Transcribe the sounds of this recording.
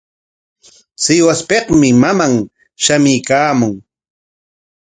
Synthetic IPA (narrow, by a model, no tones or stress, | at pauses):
t͡sɪwaspeχmɪmamaŋ | ʃamɪjkaːmʊŋ